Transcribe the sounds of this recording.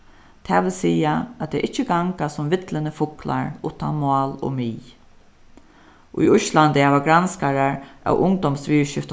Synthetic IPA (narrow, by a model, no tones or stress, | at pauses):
t̪ʰɛːʋɪlsiːaat̪ʰɛʔɪt͡ʃːəɡaŋkasʊmʋɪt̪lənəfʊkla̰ɹʊt̪a̰nmɑːlo̰miː | ʔʊ̰jʊʃland̪əhɛːʋaɡɾanskaɾaɹʔæ̰wʔʊŋd̪ɔmsʋiːɹʃɪft̪